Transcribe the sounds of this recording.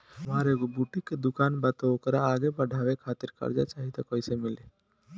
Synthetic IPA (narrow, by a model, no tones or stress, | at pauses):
mɦaɾeɡobuʈikːed̪ʊkaːnbət̪ookəɾaːɡebəɖʱaːʋekʰaːt̪iɾkɐ̰ɾd͡ʒa̰t͡ʃaːɦit̪akoisemɪle